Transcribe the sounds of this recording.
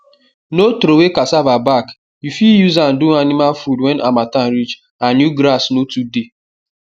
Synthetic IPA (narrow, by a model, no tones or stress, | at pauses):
notɾowekasavabak | jufijuzan̩duanimalfudwɛnãmatanɾit͡ʃ | anjuɡɾasnotude